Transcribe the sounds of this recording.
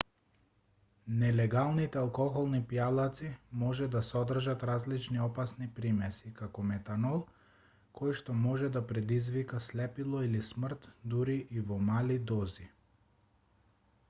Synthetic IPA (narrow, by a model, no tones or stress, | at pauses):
nɛlɛɡalˠnit̪ɛalˠkɔxɔlˠnipjalˠat̪simɔʒɛd̪asɔd̪r̩ʒat̪ɾazlit͡ʃniɔpasnipɾimɛsikakɔmɛt̪anɔlˠ | kʰɔjʃt̪ɔmɔʒɛd̪apɾɛd̪izvikaslɛpilˠɔilismr̩t̪d̪uɾiʔːvɔmalid̪ɔzi